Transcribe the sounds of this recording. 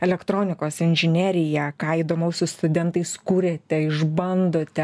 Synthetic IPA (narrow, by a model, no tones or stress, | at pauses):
ɛlʲɛkt̪ɾoːnʲɪkoːsɪnʲʒʲɪnʲæːɾʲɪjɛkɑːiːd̪oːmɐʊsʊst̪ʊd̪ʲɛnt̪ɐɪskuɾʲet̪ʲɛɪʒbɐnd̪oːt̪ʲɛ